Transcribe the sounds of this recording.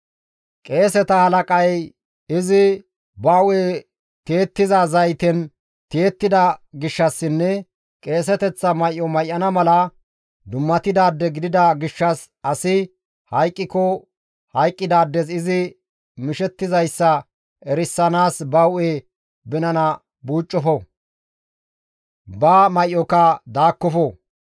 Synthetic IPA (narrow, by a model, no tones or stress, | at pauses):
kʼe̞ːsɛt̪ɐhɐlɐkʼɐj | ɪzɪ | bɐweː | t̪e̞ːt̪ːɪzɐzɐjt̪ɛn | t̪eːt̪ːɪd̪ɐɡɪʃːɐsːɪnːɛ | kʼe̞ːs̬ɛt̪ɛt͡sːɐmɐjʔːɔmɐjʔːɐnɐmɐlɐ | d̪ʊmːɐt̪ɪd̪aːd̪ːɛɡɪd̪ɪd̪ɐɡɪʃːɐs | ɐsɪ | hɐjkʼːɪkɔ | hɐjkʼːɪd̪aːd̪ːɛsɪzɪ | mɪʃɛt̪ːɪzɐjsːɐ | ɛɾɪsːɐnaːsbɐwʔeː | bɪnɐnɐ | buːt͡ʃʼːɔfɔ | bɐmɐjʔɔkɐd̪aːkːɔfɔ